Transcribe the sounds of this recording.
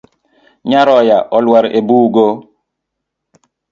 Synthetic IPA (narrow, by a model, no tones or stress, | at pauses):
ɲaɾɔjaʔɔlwaɾebuːɡo